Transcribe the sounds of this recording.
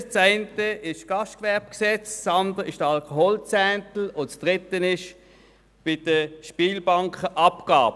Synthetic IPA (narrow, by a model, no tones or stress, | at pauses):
st͡saɪntəɪʃɡ̥ɑʃtkʋɛɐb̥̚ksɛt͡st͡sɑnd̪əɪʃd̥əɑlkɔɦɔlt͡sɛːntl̩ot͡sd̥ʁɪt̪ənɪʃ | b̥ɪd̥əʃpiːlbaŋkχəʔɑpɡ̥a̰ːb